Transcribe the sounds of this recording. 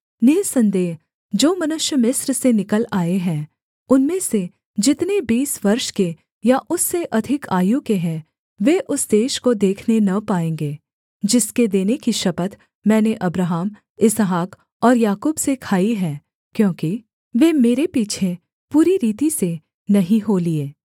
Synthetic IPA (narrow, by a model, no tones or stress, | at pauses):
neːsɐ̃nd̪eːɦ | d͡ʒoːmɐnʊʃjəmɪsɾsenɪkəlaːeɦɛ̃ː | ʊnmẽse | d͡ʒɪt̪nebiːsʋɐɾʃke | jaʔʊsːeʔɐd̪ʱɪkaːjũkeɦɛ̃ | ʋeʔʊsd̪eːʃkod̪eːkʰnenɐpaːẽːŋɡeː | d͡ʒɪsked̪eːnekiʃɐpət̪ | mɛ̃ːneʔɐbɾaːɦəm | ɪsɦaːk | ɔːɾjaːkuːbsekʰaːiɦɛ̃ː | kjõːki | ʋeːmeːɾepiːt͡ʃʰe | puːɾiɾiːt̪ise | nɐɦĩɦolieː